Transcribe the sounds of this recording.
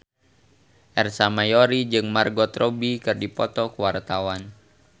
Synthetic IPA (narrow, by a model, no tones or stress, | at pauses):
ʔɛrsamajɔɾid͡ʒɨŋmarɡɔt̪rɔbikɨrdipɔt̪ɔkuwart̪awan